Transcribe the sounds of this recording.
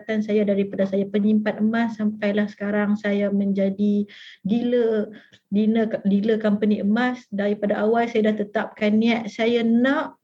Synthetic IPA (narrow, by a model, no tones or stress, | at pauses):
t̪ansajadaɾipadasajapəɲimpat̪əmasːampajlahsə̥kaɾaŋsajamə̃ɲd͡ʒadidilə | dinədiləkampəniəmasdaɾipadaʔawalsajadaht̪ət̪ap̚kanːiaʔ̪̚sajanɔʔ